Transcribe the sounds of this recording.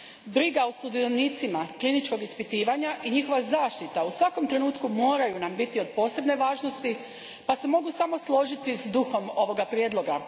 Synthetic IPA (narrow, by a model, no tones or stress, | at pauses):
bɾiɡausud̪ioniːt̪simaklinit͡ʃko̞ɡispit̪iːʋaɲaʔiɲixo̞ʋazaːʃt̪it̪ausʋako̞mt̪ɾe̞nuːt̪kumo̞ːɾajunambit̪io̞d̪̚po̞ːse̞bne̞ʋaːʒno̞st̪i | pase̞mo̞ɡusamo̞slˠo̞ʒit̪izd̪uxo̞mo̞ʋo̞ɡapɾjed̪lˠo̞ɡa